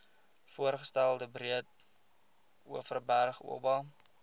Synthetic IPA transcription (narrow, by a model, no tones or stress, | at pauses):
fuərχəstælˠdəbriət̚ | uəfərbærχṵəbɑ